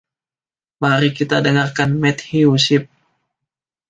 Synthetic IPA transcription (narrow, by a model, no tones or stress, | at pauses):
maɾikit̪adəŋarkanmɛt̪̚hiusɪp̚